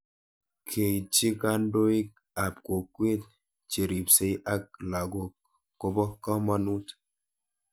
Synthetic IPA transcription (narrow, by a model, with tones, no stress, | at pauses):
kʰe˨t͡ʃi˦ka˦n˦do˦i˦k̚ | a˨p̚ko˨kwe˦t̚ | t͡ʃe˨ɾi˨pse˨˦jʔa˦k̚la˨ɡo˨ | ko˨bɔ˦kɔ˦ma˦nu˦t